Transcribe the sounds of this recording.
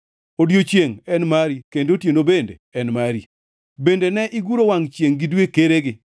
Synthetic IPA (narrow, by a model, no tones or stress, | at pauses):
odjot͡ʃjeŋɛnmaɾikendotjenobendḛɛnmaɾḭ | bendenɛʔɪɡuɾowaŋt͡ʃjeŋɡɪdwekeɾeɡɪ